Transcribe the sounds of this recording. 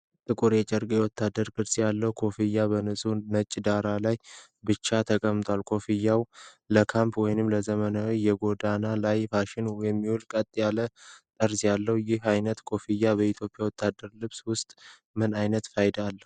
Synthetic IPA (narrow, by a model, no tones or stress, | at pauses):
t̪ʼɨkʼuɾjɛt͡ʃʼɛɾɡʼjɛwɔt̪ʰːad̪ːəɾkɨɾsjalːəhkʰo̞fijːabənɨsʼunət͡ʃʼːd̪aɾalaj | bɨt͡ʃːat̪ʰəkʼəmt̪ʰoalkʰo̞fijːaw | ləkʰampwɔjnɨmləzəmənawjɛɡo̞d̪analajfaʃɪnjɛmːihulkʼət̪ʼjalət̪ʼəɾsjalːəhwjɪɦajnət̪kʰʼo̞fijːabəit̪ʰjo̞pʼjawɔt̪ʰːad̪ːəɾlɨβswʊst̪ʼ | mɨnajnət̪fajd̪alːə